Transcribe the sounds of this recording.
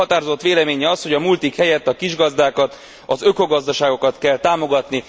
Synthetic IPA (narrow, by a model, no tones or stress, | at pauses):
ɒt̪aːɾozo̞t̪ːʋeːlɛmeːɲɛɒsho̞ɟɒmult̪ikhɛjɛt̪ːɒkiʒɡɒzd̪aːkɒt̪ | ɒzø̞ko̞ɡɒzd̪ɒʃaːɡo̞kɒt̪kɛlt̪aːmoɡɒt̪ni